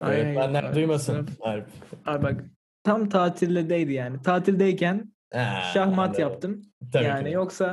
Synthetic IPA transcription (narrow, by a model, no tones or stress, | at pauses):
aajɛajbænlʲæd̪ujmasɯnaɾɛpaɾbak | t̪ʰamt̪ʰaːt̪ʰillːʲɛd̪ejd̪ijaːnit̪ʰaːt̪ʰilʲd̪ejcʰæn | ɛʃahmat̪japt̪ʰɯmt̪ʰabjaːnijo̞ksa